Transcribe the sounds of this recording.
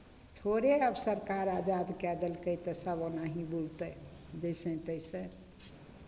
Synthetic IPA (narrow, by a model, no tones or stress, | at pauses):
t̪ʰoɾeəbsəɾkaɾad͡ʒad̪kɛd̪əlkəjt̪əsəbonaɦibult̪əj | d͡ʒəsə̃t̪əjsə̃